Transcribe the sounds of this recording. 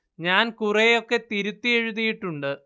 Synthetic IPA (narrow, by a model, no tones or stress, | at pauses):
ɲaːnkurejo̞kːe̞t̪iɾut̪ːie̞ɻuðijiʈːuɳɖɨ